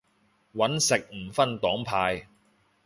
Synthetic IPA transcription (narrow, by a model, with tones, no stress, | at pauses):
wɐ˨˥nsɪ˨k̚m̩˨˩fɐ˥nt̪ɔː˨˥ŋpʰaː˧j